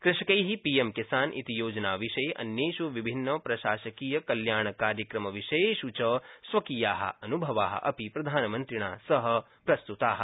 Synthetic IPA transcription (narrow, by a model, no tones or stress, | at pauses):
kɾɪʂkɐjɦipiːjemkisaːnʔḭt̪ijoːd͡ʒɐnaːʋiʃɐjeʔɐ̰njeːʃuʋibʱinːɐpɾɐʃaːʃɐkiːjɐkɐljaːɳ̃ɐkaːɾjɐkɾɐmɐʋiʃejeʃut͡ʃɐsʋɐkiːjaːɦɐ̰ɐnubʱɐʋaːɦɐ̰ʔɐ̰pipɾɐd̪ʱaːnɐmɐnt̪ɾiɳaːsɐɦɐ̆ | pɾɐst̪ut̪aːɦɐ̆